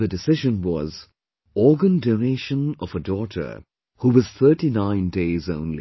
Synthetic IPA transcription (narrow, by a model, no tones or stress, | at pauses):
ðɨdɪsɪʒə̃nwɔz | ɔːɡə̃ndoneʃə̃nʌvədɔːtʰə̰˞ | huwʌz̥θʰɜ˞ʈinãɪ̃ndeɪzõʊ̃nlḭ